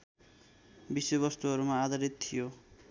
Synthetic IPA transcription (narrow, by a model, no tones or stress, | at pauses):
bisobʌst̪uʌɾumaːd̪ʱʌɾit̪t̪ʰːijo